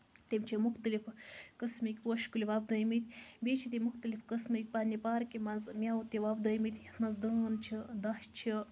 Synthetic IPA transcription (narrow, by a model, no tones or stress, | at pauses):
t̪emt͡ʃʰimuxt̪əlifkɨsmikʲpwəʃkulʲiʋab̚d̪ɐjmit̪ʲʰbet͡ʃʰit̪emuxt̪əlifkəsmɨkʲpanʲipaːɾkʲimɐzmʲawt̪iʋabd̪ɐjmit̪ʰʲt̪mɐzd̪əːnt͡ʃʰid̪aʃt͡ʃʰi